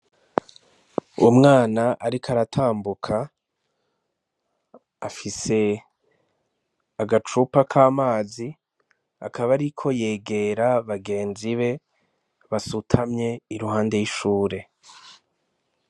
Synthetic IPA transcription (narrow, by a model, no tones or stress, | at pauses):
umŋaːnaʔaɾikaɾatʰaːmbukʰa | fise̞ | aɡat͡ʃupakʰaːmaːzi | a̰kʰaβaɾikʰo̞je̞ːɡe̞ɾaβaɡe̞ːnziβe̞ | βasutʰamɲe̞iɾuɦaːnde̞jiʃuːɾe̞